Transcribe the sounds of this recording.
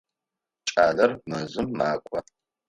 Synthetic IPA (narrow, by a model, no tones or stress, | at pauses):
t͡ʃʼaːlɐrmɨzɨmːaːkʷʼɔ